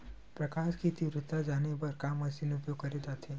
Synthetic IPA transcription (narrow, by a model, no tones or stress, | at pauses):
pɾəkaʃkit̪iʋɾɪt̪ːad͡ʒanepəɾkamɐsinʊpjoɡkəɾed̪at̪ʰe